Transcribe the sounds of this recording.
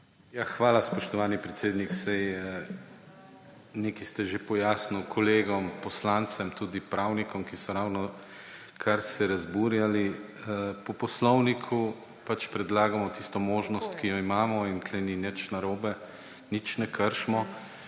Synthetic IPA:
jaxʋaːlaspɔʃt̪ɔʋaːnipɾet̪seːd̪niksɛjə | neːkist̪ɛʒepɔjaːsnukʰɔleːɡɔmpɔslant̪sɛmt̪uːd̪ipɾawnikɔmkisɔɾaːwnɔ | kʰaɾsɛɾazbuːɾjali | əpɔpɔslɔwnikʰu | pat͡ʃpɾɛd̪laːɡamɔt̪ist̪ɔmoːʒnɔst̪kijɔimaːmɔinklɛninɛt͡ʃnaɾoːbɛ | nit͡ʃnɛkʰəɾʃmɔ

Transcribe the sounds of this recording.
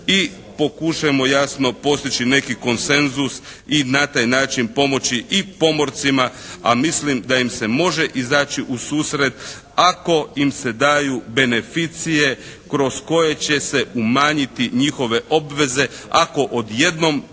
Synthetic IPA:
i | po̞kuʃajemo̞jasno̞po̞st̪it͡ɕine̞kiko̞nse̞nzus | inat̪ajnaːt͡ʃinpo̞mo̞t͡ɕiʔipo̞mo̞ɾt̪simaa̰mislimd̪aimse̞mo̞ʒe̞ʔizaːt͡ɕiʔusuːsɾe̞d̪ | ako̞imse̞d̪aːjube̞ne̞fit̪sije̞ | kɾo̞sko̞je̞t͡ɕe̞se̞umaːɲit̪iɲixo̞ʋe̞ʔo̞bʋe̞ze̞ako̞ʔod̪je̞d̪no̞m

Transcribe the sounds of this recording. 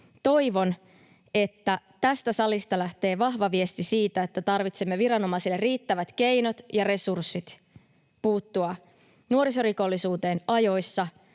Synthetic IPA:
t̪o̞jʋo̞n | e̞t̪ːæ | t̪æst̪æsɑlist̪ɑlæht̪e̞ːʋɑɦʋɑʋiest̪isiːt̪æet̪ːæt̪ɑrʋit̪semːeʋiɾɑno̞mɑsilːeriːt̪ːæʋæt̪ke̞jno̞t̪jɑɾe̞sursːit̪ | puːt̪ːuɑ | nuoɾiso̞riko̞lːisuːt̪e̞ːnɑjo̞jsːɑ

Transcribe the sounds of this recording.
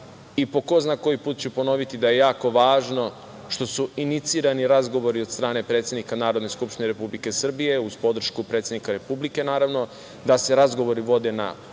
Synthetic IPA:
ipo̞ko̞znako̞jipuːt̪t͡ɕupo̞no̞ʋit̪id̪aje̞jaːko̞ʋaːʒno̞ | ʃt̪o̞suinit̪siːɾaniɾazɡo̞ʋo̞ɾiod̪st̪ɾaːne̞pɾe̞ːt̪sje̞d̪nikanaːɾo̞d̪ne̞skupʃt̪ineɾepublike̞sr̩bije̞uzpo̞d̪r̩ʃkupɾe̞t̪se̞d̪nikaɾe̞publike̞naːɾaʋno̞ | d̪ase̞ɾazɡo̞ʋo̞ɾiʋo̞d̪e̞na̰

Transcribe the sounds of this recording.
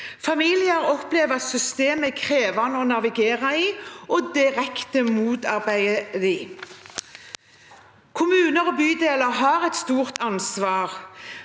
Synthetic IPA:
fɑmiːlɪəɾɔpleːʋəɑt̪sʏst̪eːməkʰʁeːʋɑnəɔnɑʋɪɡeːʁɑiːɔd̪ɪʁɛkt̪əmuːt̪ɑʁbæɪəiː | kʰʊmʉːnəʁɔbyːd̪eːləʁɦɑːʁɛt̪st̪uːʁt̪ɑnsʋɑːʁ

